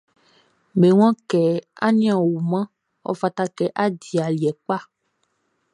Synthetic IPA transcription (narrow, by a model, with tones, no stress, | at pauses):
me˨w̃ã˦kɛ˨a˦ɲĩ˦ã˨wo˨mã˦ | wɔ̰˦fa˨t̪a˦kɛ˨ʔa˦di˨a˨li˨ɛ˨k͡pa˦